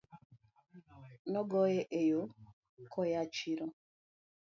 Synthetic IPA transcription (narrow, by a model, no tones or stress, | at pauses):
nɔɡɔjeʔejo | kʰɔjat͡ʃiɾɔ